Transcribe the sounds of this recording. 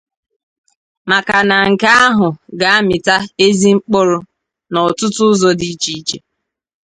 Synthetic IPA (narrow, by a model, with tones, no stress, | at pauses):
ma˨ka˨na˨ŋ̩˨ka˦a˦ɦʊ˨ɡa˨a˦mɪ˨ta˦e˦zi˦ŋ͡m̩˦k͡pʊ˦ɾʊ˦ | nɔ˨tʊ˦tʊ˦ʊ˦zɔ˦di˦t͡ʃi˦t͡ʃe˨